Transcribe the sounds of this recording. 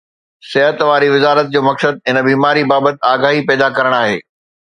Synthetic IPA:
sɪɦət̪ʋaːɾiʋɪzaːɾət̪̚d͡ʑoːmɐksəd̪̚ɪnbiːmaːɾibaːbət̪aːɡaːɦipɛːd̪akɐɾəɽ̃aːɦeː

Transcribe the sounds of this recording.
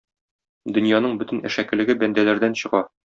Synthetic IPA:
d̪ɵ̆njɑnɤɴbɵt̪ɘ̆næ̰ʃækɘ̆lɘ̆ɡɘbænd̪ælæɾd̪ænɕɤ̆ʁɑ

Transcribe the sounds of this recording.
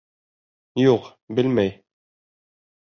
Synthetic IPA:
juq | bɘlmæj

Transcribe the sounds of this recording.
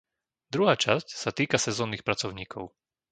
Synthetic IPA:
d̪ɾuɦaːt͡ʃascsat̪iːkasɛzɔːnːiːxpɾat͡sɔʊɲiːkʰɔʊ

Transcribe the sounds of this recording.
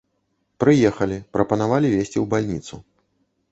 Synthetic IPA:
pɾɨjɛxɐlʲipɾɐpɐnavalʲivʲesʲt͡sʲiwbalʲnʲit̪su

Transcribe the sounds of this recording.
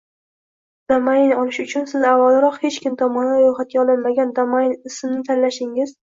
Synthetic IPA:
d̪̥amajnnɒlˠɪʃʊt͡ʃʰʊnsɪzavːalˠɾɒqhe̞t͡ʃkʲʰɪmt̪ʰɒmɒnaɾojχat̪̚ɡʲaɒlˠɪnmaɡʲand̪amaɪnɪsmnɪt̪ʰanlaʃɪŋɪz̥

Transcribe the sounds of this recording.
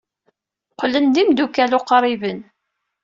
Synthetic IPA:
qlənd̪imd̪ukːælʊqɾˤivən

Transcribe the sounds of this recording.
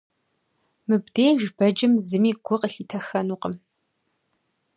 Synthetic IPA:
mɨbdeːʒbɐd͡ʒɪmzɨmiːɡʷʊqəɬiːtʰɐxɐnuːqəm

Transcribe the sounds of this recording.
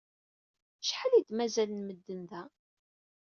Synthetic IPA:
ʃħalid̪mæzælənməd̪ːənðæ

